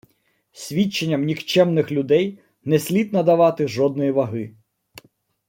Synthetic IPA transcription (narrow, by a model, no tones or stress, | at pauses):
sʲʋʲit͡ʃːenʲːɐmnʲixt͡ʃɛmnɪxlʲʊd̪ɛj | nɛsʲlʲit̪ʲnɐd̪ɐʋɑt̪ɪʒɔd̪nɔjiʋɐɦɪ